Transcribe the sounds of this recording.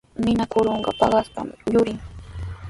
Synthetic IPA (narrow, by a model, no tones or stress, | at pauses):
mɪnakʊɾoɴɢɑ̰pɑɢɑspa̰mjʊɾɪŋ